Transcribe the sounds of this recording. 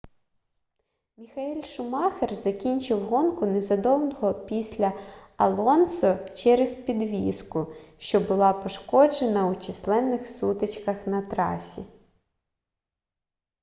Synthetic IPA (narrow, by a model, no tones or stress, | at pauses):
mʲixɐɛlʲʃʊmɑxerzɐkʲinʲt͡ʃɪwɦɔnkʊnezɐd̪ɔwnɔɦɔpʲisʲlʲɐɐlˠɔnsɔt͡ʃɛɾezpʲid̪ʋʲiskʊʃt͡ʃɔbʊlˠɑpɔʃkɔd͡ʒenɐwt͡ʃɪslˠɛnːɪxsut̪et͡ʃkɐxnɐt̪ɾɑ̰sʲi